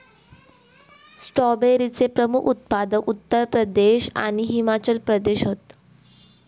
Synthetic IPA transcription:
sʈɔbeɾit͡sepɾəmukʰut̪̚pad̪əkut̪ːəɾpɾəd̪eɕa̰ɽ̃iɦimat͡ɕəlpɾəd̪eɕɦot̪

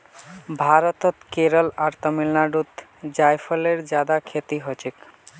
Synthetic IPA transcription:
bʱaɾɔt̪ɔt̪keɾəlaɾt̪əmilnaɖut̪ | d͡ʒajpʰəleɾd͡ʒad̪akʰet̪iɦot͡ʃʰik

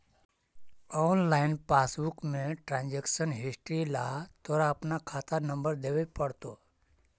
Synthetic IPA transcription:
ɔːnlaːɪnpaːsbukmẽʈɾãːnd͡ʒeksənɦɪsʈɾilat̪oɾaəpnakʰaːt̪anə̃mbəɾd̪eʋepəɽt̪o

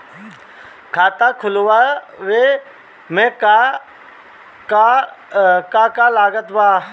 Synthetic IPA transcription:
kʰaːt̪aːkʰʊlʋa | ʋe | mẽːka | ka | kakaːlaːɡət̪baː

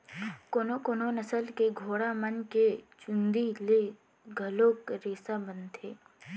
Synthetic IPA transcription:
koːnokoːnonəsəlkeɡʱoːɽamənket͡ʃʊnd̪ile | ɡʱəloːkɾeːsabənt̪ʰeː

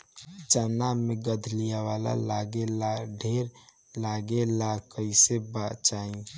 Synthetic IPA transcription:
d͡ʒaːnameɡəd̪ʱlijaʋala̰laɡelɖʱeɾ | laɡelakəɪsebat͡ʃaĩ

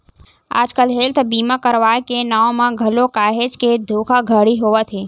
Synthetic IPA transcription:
a̰ːd͡ʒkəlɦelt̪ʰbiːmãkəɾʋakenaːõmãɡʱəlokaːɦed͡ʒked̪ʱoːkʰaɡʱəɽiɦoːʋət̪ʰe

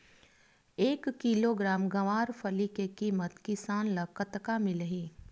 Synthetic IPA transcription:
eːkːiːloːɡɾaːmɡɐʋaːɾfʰəlikekiːmət̪kɪsaːnləkət̪kamɪləɦiː

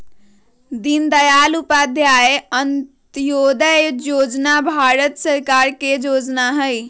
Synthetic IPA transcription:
d̪ind̪əjalupad̪ʱjaeəntt̪jod̪əjod͡ʒnabʱaɾət̪səɾkaɾked͡ʒod͡ʒnaɦəj

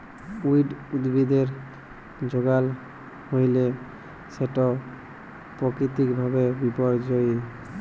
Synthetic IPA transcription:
ujɖud̪bid̪eɹ | d͡ʒoɡal | hojle | seʈɔ | pɹɔkɹit̪ikbʱabebipɔɹzoj

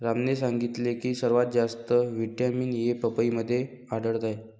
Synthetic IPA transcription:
ɾamnes̬aŋɡit̪lekiːsəɾʋat̪̚d͡ʑast̪əʋiʈamiːnjepəpəiməd̪ʱːje | aɽəɽt̪aj

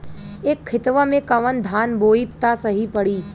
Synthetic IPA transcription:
eːkʰːɪt̪ʋəmẽkɐʋənd̪ʱaːnboːipt̪asɐɦipɐɽiː

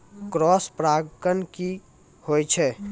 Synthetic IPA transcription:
kɾɔːspɾaːɡənki | hoːit͡ʃʰɛː

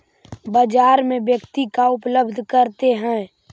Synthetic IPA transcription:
bəd͡ʒaːɾmẽʋjəkt̪ikaʊpləbd̪ʱkəɾt̪eɦɛ̃ː

